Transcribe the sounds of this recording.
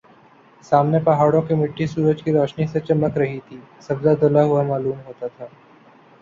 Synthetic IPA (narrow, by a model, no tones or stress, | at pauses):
saːmnepɐɦaːɽõkemɪʈʰːisuːɾəd͡ʒkiɾɔːʃniset͡ʃɐmːəkɾɐɦit̪ʰiːsɐbd̪ad̪olaɦʊamaːluːmɦoːt̪at̪ʰaː